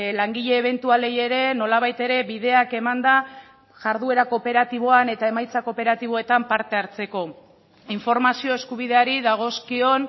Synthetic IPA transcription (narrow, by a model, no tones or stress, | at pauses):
laŋɡiʎe̞ːβ̞e̞nt̪uale̞je̞ɾe̞no̞laβ̞ajt̪e̞ɾe̞βiðe̞ake̞mand̪a | ʝaɾðue̞ɾako̞pe̞ɾat̪iβ̞o̞ane̞t̪ae̞majt͡sako̞pe̞ɾat̪iβ̞o̞e̞t̪ampaɾt̪e̞aɾt͡se̞ko̞ | iɱfo̞ɾmasio̞eskuβiðe̞aɾiðaɣ̞o̞skio̞n